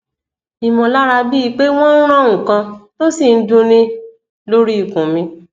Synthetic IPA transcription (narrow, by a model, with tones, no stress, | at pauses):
i˨mɔ̃˨la˦ɾa˧bi˦i˧k͡pe˦w̃ɔ̃˦n̩˦ɾ̃ã˦˨wũ˨kã˧to˦si˦˨n̩˦dũ˧nĩ˦ | lo˦ɾi˦i˨kũ˨mĩ˧